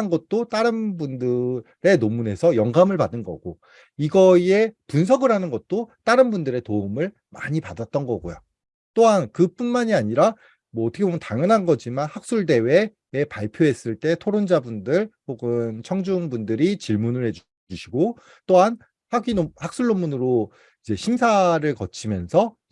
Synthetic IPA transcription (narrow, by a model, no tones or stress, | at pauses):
nɡʌt̚t͈ot͈aɾɯnbundɯ | ɾe̞nomune̞sʰʌjʌŋɡamɯɭpadɯnɡʌ̰ɡ̥o | iɡʌie̞puns̬ʰʌɡɯɾanɯnɡʌt̚t͈ot͈aɾɯnbundɯɾe̞toumɯɭ | ma̰ɲipadat̚t͈ʌnɡʌɡo̰jo̰ | t͈oɦankɯp͈unmaɲiaɲiɾa | mwʌːtʰʌkʰebomjʌntaŋjʌnɦanɡʌd͡ʑimanhak̚s͈uɭde̞we̞ː | paɭpʰjoɦes͈ɯɭt͈e̞tʰoɾond͡ʑabundɯɭpoɡɯnt͡ɕʰʌŋd͡ʑuŋbundɯɾit͡ɕiɭmunɯɭhe̞d͡ʑ | uɕʰiɡo | t͈oɦan | haɡinohak̚s͈uɭːomunɯɾo | id͡ʑe̞ɕʰimsʰaɾɯɭkʌt͡ɕʰimjʌnsʰʌ